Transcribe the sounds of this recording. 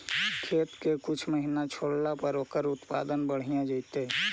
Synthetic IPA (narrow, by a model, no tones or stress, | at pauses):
kʰet̪kekʊt͡ʃʰməɦinat͡ʃʰoɽlapəɾoːkəɾʊt̪pa̰d̪ənbəɽ̤ijãd͡ʒəɪt̪e